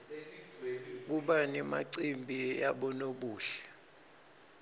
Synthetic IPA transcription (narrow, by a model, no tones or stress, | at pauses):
k̬uɓanima̰ǀimbʱiaɓɔnoɓuːɬɛ̥